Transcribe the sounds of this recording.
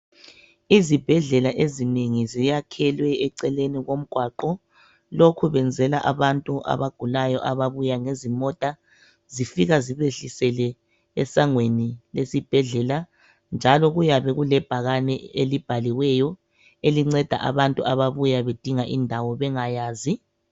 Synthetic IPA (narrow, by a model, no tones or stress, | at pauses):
izib̥ʱɛɮɛlaʔezineŋizijakʰɛlwɛɛǀɛleniɣom̩ɡ̥ʱwaǃɔ | lokʰuβɛnd͡zʱɛlaʔaβantʼuʔa̰βaɡ̥ʱulajɔʔaβaβujaŋezimɔtʼa | zifiɣaziβeɬisɛlɛ | ɛsaŋwenilesib̥ʱɛɮɛla | nd͡ʒʱalɔɣujaβɛɣulɛb̥ʱaɣanɛelib̥ʱaliwɛjɔ | eliŋ͡ǀɛd̥ʱa̰ʔa̰βantʼuʔaβaβujaβed̥ʱiŋaʔindʱawɔβɛŋajaːzi